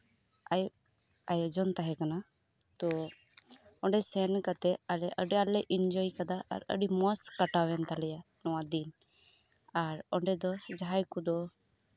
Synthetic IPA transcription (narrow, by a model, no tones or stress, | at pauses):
aj | ajd͡ʒɔnt̪aɦɛkana | t̪ɔ | ɔɳɖɛsɛnkat̪ɛalɛʔəɖɛalɛʔind͡ʒɔikad̪aa̰ɾə̰ɖimɔskəʈawɛnt̪alɛja | nɔwad̪in | aɾɔɳɖɛd̪ɔd͡ʒaɦajkud̪ɔ